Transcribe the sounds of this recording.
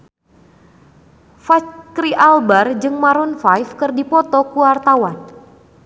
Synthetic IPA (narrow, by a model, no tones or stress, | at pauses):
fat͡ʃkɾiʔalbard͡ʒɨŋmaɾunfajfkɨrdipɔt̪ɔkuart̪awan